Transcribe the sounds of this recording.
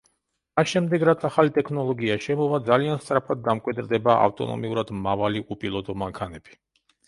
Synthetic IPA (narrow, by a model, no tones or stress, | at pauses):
masʃɛmd̪ɛɡɾat̪sʰaχalit̪ʼɛkʰnɔlˠɔɡiaʃɛmɔvad̪zalianst̪sʼɾapʰad̪̚ːamkʼwid̪ɾd̪ɛbaʔa̰ft̪ʼɔ̰nɔ̰miuɾad̪mavaliʔupʼilˠɔt̪ʼɔmaŋkʰanɛb̥i̥